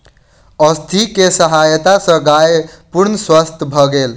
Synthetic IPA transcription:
əst̪ʰikesəɦajət̪asə̃ɡajpuɾnəswəst̪ʰəbʱʌɡel

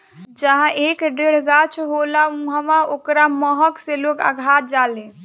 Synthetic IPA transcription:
d͡ʒəɦãʔekɖeɽ̤ɡat͡ʃʰɦolaũɦəmaokɾaməɦəkselokə̰ɡʱat̪̚d͡ʒalẽ

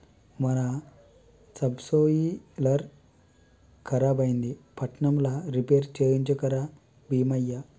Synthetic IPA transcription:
mɐɾa | sɐbsojilɐɾ | kʰɐɾabɐjnd̪ipɐʈɳɐmlaɾipeɾt͡ɕeɾiɲt͡ʃɔkɐɾa | biːmɐjːa

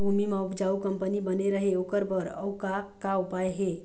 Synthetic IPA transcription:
bʱumimaupd͡ʒaukəmpənibəneɾəɦeokəɾpəɾə̰wkakawpajɦe

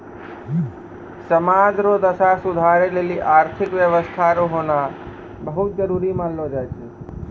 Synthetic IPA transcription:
səmaːd͡ʒɾod̪əsasʊd̪ʱaːɾeleːliʔaːɾt̪ʰɪkʋjəʋəst̪ʰaɾoɦoːna | bəɦʊt̪̚d͡ʒəɾuːɾimãllod͡ʒajt͡ʃʰe

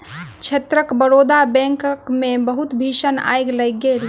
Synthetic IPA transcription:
t͡ʃʰet̪ɾəkbəɾoːd̪abɛ̃ːŋkkmẽbəɦʊt̪bʱiːʃəna̰ːjɡləɡel

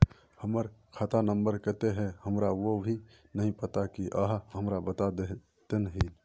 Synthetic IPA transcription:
həməɾkʰaːt̪anəmbəɾkət̪eɦɛ̃həmɾaʋobʱi | nəɦĩpət̪akiʔaɦɦəmɾabət̪ad̪e | t̪ənɦi

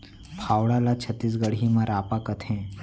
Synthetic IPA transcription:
pʰawɽalat͡ɕʰət̪ːiːs̬ɡəɽɦimaɾapakət̪ʰẽ

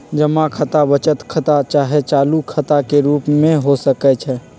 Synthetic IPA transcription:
d͡ʒəmakʰət̪abət͡ʃət̪kʰət̪at͡ʃaːɦet͡ʃaːlukʰət̪akeɾuːpmẽɦosəkɛt͡ʃʰɛ

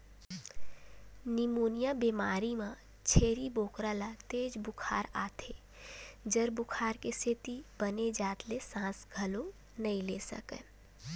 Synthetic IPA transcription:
nɪmoːnijabemaːɾimã | t͡ʃʰeːɾiboːkɾalat̪eːd͡ʒbʊkʰa̰ːɾaːt̪ʰe | d͡ʒəɾbʊkʰaːɾkeset̪ibəned͡ʒaːt̪lesãːsɡʱəlo | nəĩleːsə̰kḛ

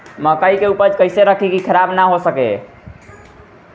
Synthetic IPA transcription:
məkəikeupəɾd͡ʒkəjseɾəkʰikikʰəɾabnaɦosəkḛ

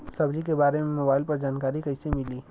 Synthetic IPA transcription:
sɐbd͡ʒik̬ebaːɾemẽmoːbaːɪlpɐɾd͡ʒaːnkaːɾikəɪsemɪliː

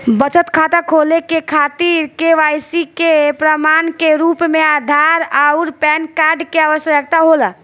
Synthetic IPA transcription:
bət͡ʃət̪kʰat̪əkʰɦolekekʰat̪iɾkeʋajsikepɾəmankeɾupmead̪ʱaɾaʊɾpɛnkaɾɖkeaʋəsjəək̚t̪aɦolə

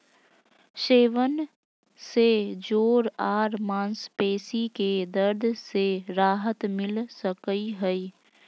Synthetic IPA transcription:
ʃeːʋən | sed͡ʒoːɾaːɾmãːnspeːsiked̪əɾd̪ʱseɾaːɦət̪mɪlsəkəiɦəi

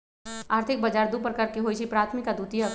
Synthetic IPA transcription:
aːɾt̪ʰɪk̚bɐd͡ʒaːɾd̪upəɾkɐɾkeɦoːit͡ʃʰipɾaːt̪ʰmɪkad̪uːt̪ia

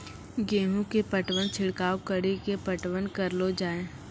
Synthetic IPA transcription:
ɡeːɦũkepəʈwənt͡ʃʰɪɽkaːwkəɽikepəʈwənkəɾlod͡ʒaːẽː

